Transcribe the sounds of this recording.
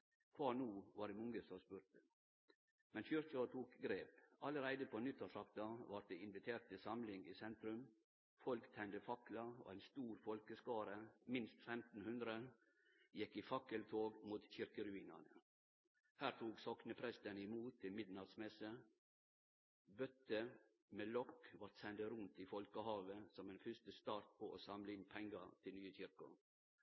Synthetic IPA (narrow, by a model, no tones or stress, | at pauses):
kʰʋɑːnuːʋɑːɖɛmɔŋəsɔspʉɾʈə | mɛnçʏɾçɑt̪ʰuːkɡɾeːpɑləɾæɪd̪əpʰɔnʏt̪ʰːɑsɑkt̪ɑʋɑʈ̚d̪eːɪnʋɪt̪ʰeːɾʈ̪̚ɪsɑmlɪŋḭːsɛnt̪ɾʉm | fɔlkt̪ʰɛnd̪əfɑklɑo̰ænst̪uːɾfɔlkəskɑːɾəmɪnst̪fɛmt̪n̩hʉnd̪ɾə | jɛkːɪfɑkəlt̪ʰoːɡmuːt̪çɪɾkəɾʉiːnə̰nə | hæːɾt̪ʰuːksɔknəpʰɾɛst̪ənɪmuːt̪ʰːɪmɪd̪nɑd̪smɛsə | bœt̪ːə | meːlɔkːʋɑɾt̪sɛnd̪əɾʉnt̪ifɔlkəhɑːʋəsɔmɛnfʏstəst̪ɑːɾt̪̚pʰoːʔoːsɑmləɪnpʰɛŋɡɑt̪ʰɪlnyːəçɪɾkʊ̰